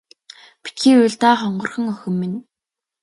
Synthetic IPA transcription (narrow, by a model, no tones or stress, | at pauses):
pi̥t̪xiːʊːɮt̪aːχɔɴɢɞ̆rχə̆ŋœxʲɵ̆mːɘ̆n